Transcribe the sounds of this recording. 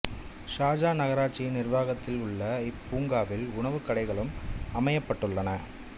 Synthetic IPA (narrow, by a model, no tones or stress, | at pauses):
ʂaːd͡ʒaːnɐɣɐɾaːʈt͡ʃːinɪɾʋaːɣɐt̪ːɪlʊɭːɐɪpːuːŋɡaːʋɪlʊɳɐʋɯkɐɽɐɪɣɐɭɯmɐmɐjɐpːɐʈːɯɭːɐnɐ